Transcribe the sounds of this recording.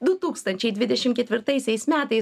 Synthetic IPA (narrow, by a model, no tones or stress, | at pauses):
d̪ʊt̪uːkst̪ɐnʲt͡ʃʲɛɪd̪ʲʋʲɪd̪ʲɛʃʲɪmkʲɛt̪ʲʋʲɪɾt̪ɐɪsʲɛɪsmʲæːt̪ɐɪ